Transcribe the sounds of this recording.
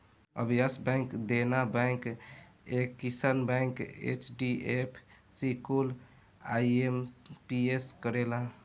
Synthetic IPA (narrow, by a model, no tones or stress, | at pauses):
ə̰bʱijasbɛ̃jŋkd̪enabɛɪk | ekːisənbɛ̃ŋkḛt͡ʃɖiepʰsikul | aiempieskəɾela